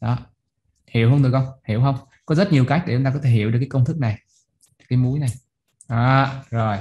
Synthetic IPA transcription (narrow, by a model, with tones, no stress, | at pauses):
ɗɔ˨˦ | hi˧˩˨əwhə˧wŋ͡mt̪ɨ˨˩kɔ˧wŋ͡mhḭ˧˩˨əwhə˧wŋ͡m | kɔ˨˦zə˦˥t̚ɲi˨˩əwkaː˦˥k̚e˨˩˨ŋ͡mt̪a˧kɔ˨˦t̪ʰe˧˩ɦi˧˩əwɗɨ˨˩kaː˨˦kə˧wŋ͡mt̪ʰɨ˦˥k̚na˨˩j | kaː˨˦jmu˨˦jna˨˩j | ʔaː˨˦zo˨˩j